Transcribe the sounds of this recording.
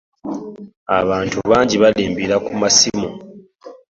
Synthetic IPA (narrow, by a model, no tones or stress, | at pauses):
a̰βaːntuβaːɲɟiβaliːmbiɾakumasimu